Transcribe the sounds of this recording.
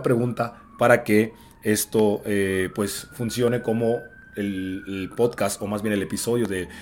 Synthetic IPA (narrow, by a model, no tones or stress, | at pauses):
pɾe̞ɣũnt̪a | paɾake̞ | est̪o̞epwe̞sfunsjo̞ne̞ko̞mo̞ | ellpo̞ðkast̪o̞mazβje̞ne̞le̞piso̞ðjo̞ðe̞